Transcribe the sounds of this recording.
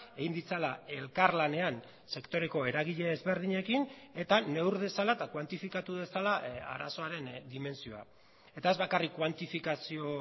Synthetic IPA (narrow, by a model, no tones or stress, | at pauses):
e̞ɣind̪it͡salae̞lkaɾlane̞an | se̞kt̪o̞ɾe̞ko̞e̞ɾaɣ̞iʎe̞ːzβe̞ɾðiɲe̞kine̞t̪ane̞wɾðe̞salat̪akwant̪ifikat̪uðe̞salaa̰ɾa̰so̞aɾe̞nd̪ime̞nsio̞a̰ | e̞t̪ae̞zβakarikːwant̪ifikasio̞